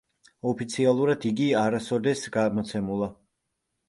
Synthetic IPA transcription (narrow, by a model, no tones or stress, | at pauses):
ɔpʰit̪sʰialˠuɾad̪iɡiaɾasɔd̪ɛsɡamɔt̪sʰɛmulˠa